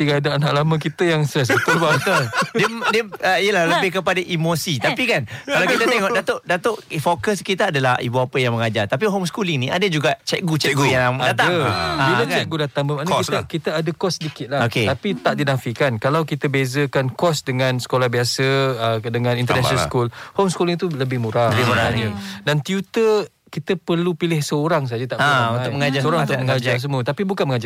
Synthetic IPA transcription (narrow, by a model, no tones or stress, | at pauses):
t̪iɡaadaanaʔlamãkit̪əjaŋst̪ɾɛs̬at̪əlbat̪ədiədəijəlahləbɪhkəpadaʔimosit̪apikankalawkit̪ət̪ɛŋɔʔdat̪oʔdat̪oʔfokəskit̪əadalahḭbuapəjaŋməŋad͡ʒart̪ap̬iɦomskuliŋnĩʔa̰dad͡ʒuɡaʔt͡ʃɛk̚ɡut͡ʃɛɡujaŋadat̪aaabilat͡ʃɛk̚ɡudat̪aŋbəmanaɔkiakit̪əadəkɔsːədikɪt̪̚lahoket̪apit̪aʔdinafikankalawkit̪əbezəkankɔsdəŋãnsə̥kolahbiasəədəŋãnĩnt̪əɾnaʃnaskulhomskulɪŋt̪uləbɪhmuɾaɾaaɲədant̪jut̪ə | kit̪əpərlupilɪhsəoɾaŋs̬ad͡ʒat̪aʔaũaʊkməŋad͡ʒaɾsoɾãŋũt̪məŋad͡ʒas̬əmuət̪apibukanməŋad͡ʒa